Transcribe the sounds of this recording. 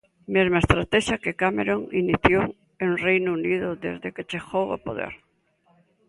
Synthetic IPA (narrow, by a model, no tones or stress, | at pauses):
mezmaest̪ɾat̪ɛʃakekameɾoŋiniθjow | enrejnuuniðʊðḛzðeket͡ʃexowo̰po̰ðḛɾ